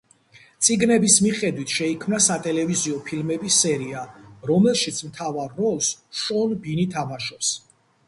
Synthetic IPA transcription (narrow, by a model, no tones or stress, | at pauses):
t̪sʼiɡnɛbismiχɛd̪wit̪ʰʃɛikʰmnasat̪ʼɛlɛviziɔpʰilmɛbisːɛɾiaɾɔmɛlˠʃit̪sʰmt̪ʰavaɾːɔlˠsʃɔnbinit̪ʰamaʃɔps